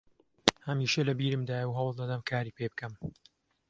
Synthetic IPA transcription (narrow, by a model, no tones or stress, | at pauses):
hɐmiːʃɐlɐbiːɾɨmd̪aːjɐwɦɐwlˠd̪ɐd̪ɐmkʰaːɾiːpʰebɨkɐm